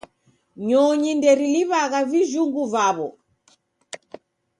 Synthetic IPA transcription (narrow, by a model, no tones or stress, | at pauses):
ɲɔɲindɛɾiliβaɣaviʒuŋɡuvaβɔ